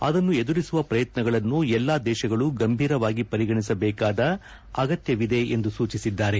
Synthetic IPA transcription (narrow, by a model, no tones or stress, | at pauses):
ɐd̪ɐnːued̪uɾisuʋɐpɾɐjɐt̪nɐɡɐɭɐnːuɛlːaːd̪ɛːʃɐɡɐɭuɡɐmbʱiːɾɐʋaːɡipɐɾiɡɐɳisɐbɛːkaːd̪ɐ | ɐɡɐt̪jɐʋid̪e̞end̪usuːt͡ʃisid̪ːaːɾe̞